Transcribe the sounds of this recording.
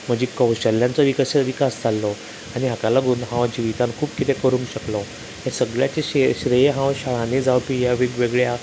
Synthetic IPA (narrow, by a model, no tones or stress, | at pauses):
m̤əd͡ʑikəwɕəlːjant͡sɔʋiksʋikasd͡zalːɔ | aɽiɦakalaɡuːnɦãʋd͡ʑiʋit̪ankʰuːpkit̪ekəɾũːŋɕəklɔ | ɦesəɡɭjat͡ɕeɕeɕɾejɦãwɕaɭãned͡zawpijaʋeɡʋeɡɭja